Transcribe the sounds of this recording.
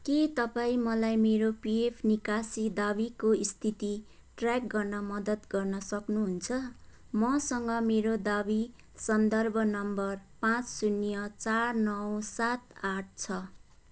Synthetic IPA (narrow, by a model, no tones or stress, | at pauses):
ket̪ʌpaĩmʌlajmeɾopiepʰnikasid̪abikoist̪ʰit̪i | ʈrak̚ɡʌrnʌmʌd̪ʌt̪ɡʌrnʌsʌknuɦunt͡sʰʌ | mʌsʌŋɡʌmeɾod̪abi | sʌnd̪ʌrbʱʌnʌmbʌrpãt͡ssunjʌt͡sarnʌwsat̪̚aʈ̚ʰt͡sʰʌ